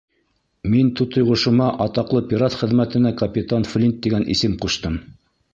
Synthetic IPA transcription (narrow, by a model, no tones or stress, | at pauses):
mint̪ut̪ŏjʁŏʃɤ̆mɑʔɑt̪ɑqlˠɤpʲiɾat̪χɘ̆ðmæt̪ɘ̆nækɐpʲit̪anflʲint̪ːiɡænʔḭsɘmquʃt̪ɤm